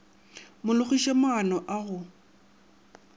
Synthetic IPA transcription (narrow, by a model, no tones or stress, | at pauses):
mʊlʊχiʃɛmʊanɔʔaɣʊ